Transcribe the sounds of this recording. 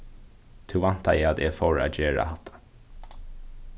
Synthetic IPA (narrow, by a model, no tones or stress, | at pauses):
t̪ʰʉvan̥t̪a̰ɛad̪ɛfɔɹa̰d͡ʒeːɹa̰hat̪ʰːḁ